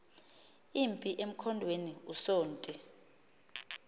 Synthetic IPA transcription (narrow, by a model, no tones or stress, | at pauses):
impʼiʔem̩kʰɔndʱweniusoːntʼi